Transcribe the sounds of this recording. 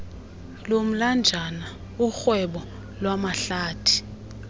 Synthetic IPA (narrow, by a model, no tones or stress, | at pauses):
lom̩land͡ʒʱana | uxwɛɓɔ | lwamaɬaːtʰi̥